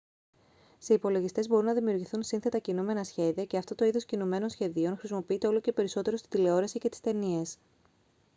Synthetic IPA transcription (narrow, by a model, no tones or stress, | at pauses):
seipo̞lo̞ʝist̪e̞zbo̞ɾunɐðimiuɾʝiθunsinθe̞t̪ɐcinume̞nɐsçe̞ðiɐce̞ɐft̪o̞t̪o̞iðoscinume̞no̞nsçe̞ðio̞nxɾisimo̞piit̪eo̞loce̞pe̞ɾiso̞t̪e̞ɾo̞st̪i̥d̪ile̞o̞ɾesice̞t̪i̥st̪e̞nie̞s